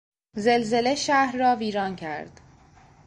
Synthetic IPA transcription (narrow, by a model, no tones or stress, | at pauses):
zelze̞leʃæhɾːɒːviːɾɒːncʰæ̰ɾd̪̥